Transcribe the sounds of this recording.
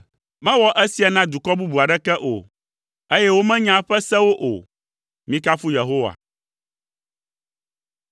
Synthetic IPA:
mɛ̃˦wɔ˦ʔɛ˦si˨a˨nã˦d̪u˨kɔ˦bu˦bu˨a˨ɖɛ˦kɛ˦ʔo̰˨ | e˦jɛ˦wo˦mɛ̃˦ɲã˦ɸɛ˦sɛ̃˦wo˦ʔo̰˨ | mĩ˦ka˦fu˦je˨ɦo˦wa̰˨

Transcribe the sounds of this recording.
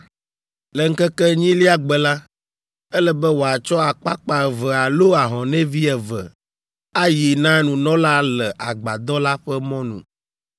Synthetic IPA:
lɛ˨ŋ̩˦kɛ˦kɛ˦ɲĩ˦li˦a˦ɡ͡bɛ˨la˦ | ɛ˦lɛ˦bɛ˦wo˨a˨t͡ʃɔ˦a˨k͡pa˦k͡pa˨vɛ˨a˨lo˦a˨ɦɔ̃˨nɛ̃˦vi˦ɛ˨vɛ˨ | a˦ji˨nã˦nũ˨nɔ̃˦la˦lɛ˨ʔa˨ɡ͡ba˨d̪ɔ˦la˦ɸɛ˦mɔ̃˦nṵ̃˨

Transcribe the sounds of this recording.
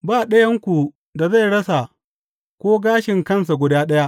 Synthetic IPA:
baː˦˨ɗɐ˦jɐ˦ŋkʷu˨ | da˨za˦˨ɽɐ˦sa˨ | kʷoː˦ɡaː˦ʃɪ˨ŋkɐ˦ns̬a˨ɡʷʊ˨daː˦ɗɐ˦ja˦ʔ

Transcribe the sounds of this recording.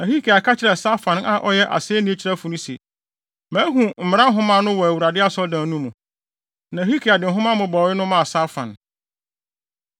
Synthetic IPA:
nã˨hi˦kʰi˨a˨kʰa˦t͡ɕʰɪ˨ɾɛ˨sa˦fã˨na˨ʔɔ˦jɛ˦ʔa̰˨sɪ˦ɛ˦nĩ˦t͡ɕʰi˨ɾæ˦fʊ˨nũ˦sḛ˨ | mæ̃ː˨˦ɦũ˨m̩˨mɪ̃˨˦ã˦ɦʊ̃˦mã˦nʊ̃˦wɔ˨æ˨wu˨ɾa˨dɪ˦a˦sɔ˦dãː˨˦nũ˦mũ˨ | nã˨ɦi˦kʰi˨a˨dɪ̃˨ɦʊ̃˦mã˦mʊ̃˨bɔ˨wɪ˦nʊ̃˦mã˦a˨sa˦fã̰˨n

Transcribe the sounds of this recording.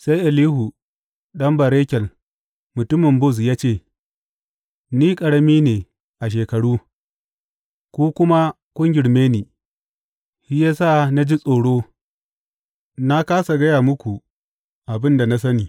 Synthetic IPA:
sa˦jʔɪ˨liː˦hu˨ | ɗɐ˦mbɐ˨ɾeː˦kʲɛ˨l | mʊ˨tʊ˦mɪ˨mbʊ˦˨s̬jaː˦t͡ʃeː˦˨ | niː˦kʼɐ˨ɽɐ˦miː˦neː˨ | ʔa˨ʃ̬eː˨kɐ˨ɽuː˦ | kʷuː˦kʷʊ˦ma˦ | kʷʼʊ˦ŋɡʲɪ˨ɽmeː˦niː˨ | hi˦jaː˦sa˦˨na˦d͡ʒi˦sʼoː˨ɽoː˦ | na˦kaː˦sa˨ɡɐ˦jaː˨mʊ˦kʷu˨ | ʔa˨bɪ˦nda˨na˦s̬ɐ˦niː˨

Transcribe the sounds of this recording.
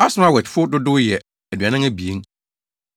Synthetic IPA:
a˦sʊ̃˦a˦˨wɛ˨t͡ʃfʊ˦dʊ˦dʊ˦jɛ˨ | æ˨dɥa˨nɪ̃˦ŋæ˦bi˨e˦ŋ

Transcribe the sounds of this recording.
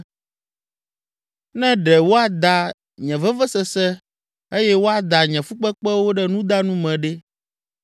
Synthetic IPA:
nɛ̃˦ɖɛ˨wo˦a˨d̪a˨ | ɲɛ̃˨vɛ˦vɛ˦sɛ˨sɛ˦ | e˦jɛ˦wo˦a˨d̪a˨ɲɛ̃˨fu˦k͡pɛ˦k͡pɛ˦wo˦ɖɛ˦nũ˦d̪a˦nũ˦mɛ̃˨ɖɛ˦

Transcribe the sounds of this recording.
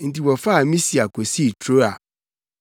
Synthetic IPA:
n̩˨ti˨wɔ˨fa˦˨mĩ˦si˨a˨kʰo˨si˦˨tʰɾo˦a˨

